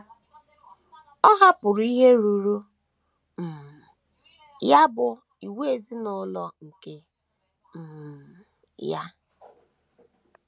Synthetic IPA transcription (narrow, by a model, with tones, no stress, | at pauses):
ɔ˦ɦa˦pʊ˨ɾʊ˨˦i˦ɦe˦ɾu˨ɾu˦ | m̩˨m˨ | ja˦bʊ˨ | i˨we˦e˨zi˦nɔ˦lɔ˦ŋ̩˨ke˦ | m̩˨ | ja̰˦